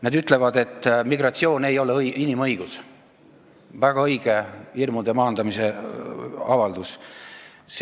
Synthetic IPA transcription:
ned̪yt̪ˑle̞vɑd̪e̞t̪ːˑmiɡrɑt̪sio̞ːne̞jo̞lejinimɤ̞jɡ̥us | væɡ̥ɑɤjɡ̥e̞irmud̪emɑːnd̪̥ɑmise̞ | ɑvɑld̪̥us | s

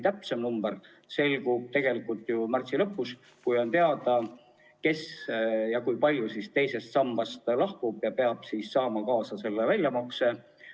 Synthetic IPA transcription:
t̪æpse̞mnumb̥eɾ | se̞lɡub̥̚t̪e̞ɡ̥e̞likːˑult̪ːˑjumært̪silɤ̞pːˑus | kujo̞nt̪e̞ɑd̪ɑ | ke̞sjɑkujpɑlʲjusist̪e̞jse̞st̪sɑmːɑst̪lɑhkub̥jɑpe̞ɑb̥siːssɑːmɑkɑːsɑse̞lːevælʲjɑmɑkse̞

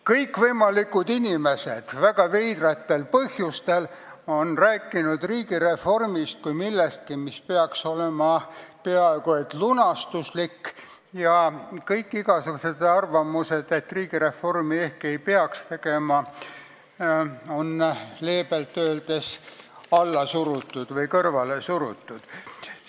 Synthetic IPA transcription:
kɤjkːvɤjmɑlikːud̪inʲime̞sed̪̥væɡ̥ɑvejd̪ret̪ːe̞lpɤhjust̪e̞l | o̞nræːkːˑinud̪̥riːɡiɾe̞fo̞rmist̪̚kujmilːest̪̚kimispeɑkso̞lemɑpe̞ɑeɡ̥uet̪ːˑlunɑst̪uslikː | jɑkɤjkːiɡɑsukuset̪ɑrvɑmuse̞d̪et̪ːriːɡ̥iɾe̞fo̞rmie̞hkːe̞jpeɑkst̪e̞ɡe̞mɑ | o̞nle̞ːbelt̪ːøːld̪̥e̞s | ɑlːɑsuɾut̪ˑːud̪̥vɤjkɤrvɑle̞suɾut̪ːˑud̪̥

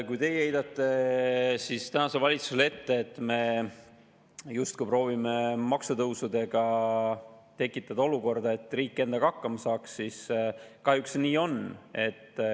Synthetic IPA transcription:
kujt̪e̞jhe̞jd̪ɑt̪ːˑe̞sist̪ænɑse̞lvɑlʲit̪susele̞t̪ːe̞ːt̪ːˑme̞ | just̪̚kujpro̞ːvimemɑksut̪ɤwsud̪e̞ɡ̥ɑ | t̪e̞kːˑit̪ːˑɑd̪̥ɑo̞luko̞rd̪̥ɑe̞t̪ːˑriːkːˑe̞nd̪̥ɑkɑkːɑmɑsɑːksːiskɑhjuksniːo̞ne̞t̪ː

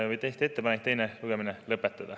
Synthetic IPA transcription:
vɤjt̪eht̪ie̞t̪ːepɑnek̚t̪e̞jneluɡ̥e̞minelɤpːˑet̪ːˑɑd̪̥ɑ

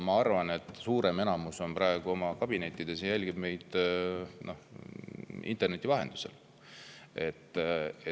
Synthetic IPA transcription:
mɑɑrvɑne̞t̪ːˑsuːɾe̞me̞nɑmuso̞nprɑeɡ̥uo̞mɑkɑb̥ine̞t̪ːid̪̥e̞sjælʲɡ̥ib̥me̞jd̪̥no̞ | ḭnt̪ːˑe̞rne̞t̪ʲːˑivɑɦe̞nd̪̥u̥sel | e̞t̪ːˑe

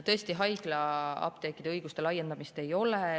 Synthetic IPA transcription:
t̪ɤ̞est̪iɦɑjɡ̥lɑɑ̰b̥t̪ekːˑid̪eɤjɡ̥ust̪e̞lɑjːend̪ɑmist̪e̞jo̞le

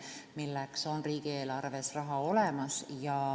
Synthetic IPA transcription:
milːekso̞nriːɡ̥ieːlɑrve̞srɑɦɑo̞le̞mɑsjɑ

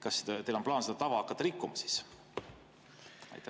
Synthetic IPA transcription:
kɑst̪elo̞mplɑːnsed̪ɑt̪ɑvɑɑkːˑɑt̪ːɑɾikːˑumɑsi̥s | ɑ̰jt̪ːˑæ

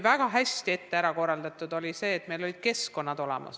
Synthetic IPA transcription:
væɡ̥ɑɦæsʲt̪ie̞t̪ːe̞æɾɑko̞rːɑld̪̥ɑt̪ːˑud̪o̞lʲise̞ːt̪me̞jlolid̪̥̚ke̞sko̞nːɑd̪̥o̞lḛmɑ̰s

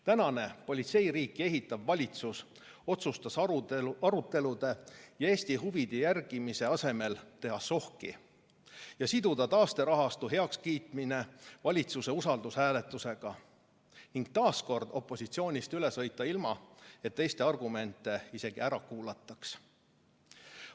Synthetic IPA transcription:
t̪ænɑne̞po̞lʲit̪se̞jriːkːˑie̞ɦit̪ːˑɑvːɑlʲit̪sus | o̞t̪sust̪ɑsɑɾut̪ːˑe̞lud̪̥e̞jɑe̞ːsʲt̪iɦuvid̪̥ijærɡ̥imise̞ɑse̞me̞lt̪e̞ɦɑso̞hkḭ | jɑsid̪̥ud̪̥ɑt̪ɑːst̪e̞ɾɑɦɑst̪uɦe̞ɑkskiːt̪ˑmine̞vɑlʲit̪suse̞usɑld̪̥ushæːle̞t̪ːˑuse̞ɡ̥ɑ | niŋɡ̥̚t̪ɑːsko̞rd̪̥o̞pːˑo̞sit̪sio̞ːnʲist̪yle̞sɤjt̪ːˑɑilmɑet̪ːe̞jst̪e̞ɑrɡ̥ume̞nt̪ːˑe̞ise̞ɡ̥iæɾɑkuːlɑt̪ːˑɑks

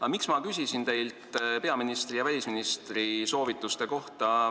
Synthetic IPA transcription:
ɑmiksmɑkysʲisint̪e̞jlt̪pe̞ɑminist̪rijɑvælʲisminist̪riso̞ːvit̪ːˑust̪e̞ko̞ht̪ɑ

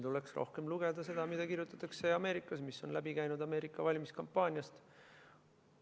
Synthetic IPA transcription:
t̪uleksro̞̰hke̞mluɡ̥e̞d̪̥ɑse̞d̪̥ɑmid̪̥ɑkirjut̪ːˑɑ̥t̪ːˑɑkse̞ɑme̞ːɾikːˑɑsmisːo̞nlæbikæjnud̪̥ɑme̞ːɾikːˑɑvɑlʲmiskɑmpːˑɑːnʲjɑst̪

